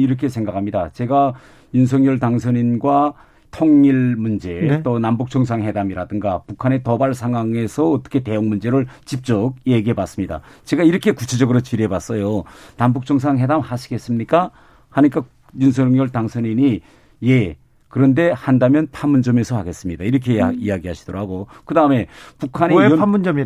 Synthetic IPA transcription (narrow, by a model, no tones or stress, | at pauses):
iɾʌkʰe̞sʰe̞ŋɡakʰamɲidat͡ɕe̞ɡa | juns̬ʰʌŋɲjʌɭtaŋsʰʌɲinɡwa | tʰoŋɲiɭmund͡ʑe̞t͈onambuk̚t͡ɕ͈ʌŋs̬ʰaŋhe̞damiɾadɯŋɡapukʰane̞tʌbaɭsʰaŋɦwaŋe̞sʰʌʌt͈ʌ̥kʰe̞te̞joŋmund͡ʑe̞ɾɯɭt͡ɕip̚t͡ɕ͈ʌɡ̚jeɡiɦe̞bas͈ɯmɲida̰t͡ɕe̞ɡaiɾʌkʰe̞kut͡ɕʰe̞d͡ʑʌɡɯɾot͡ɕiɾebas͈ʌjonambuk̚t͡ɕ͈ʌŋs̬ʰaŋɦe̞damhaɕʰi̥ɡe̞s͈ɯmɲik͈a | haɲik͈a | juns̬ʰʌŋɲʌɭtaŋsʰʌɲiɲi | je̞ | kɯɾʌnde̞handamjʌnpʰanmund͡ʑʌme̞sʰʌhaɡe̞s͈ɯmɲidaiɾʌkʰeijaɡiɦaɕʰid̥oɾhaɡokɯdaɯme̞pukʰaneamund͡ʑʌm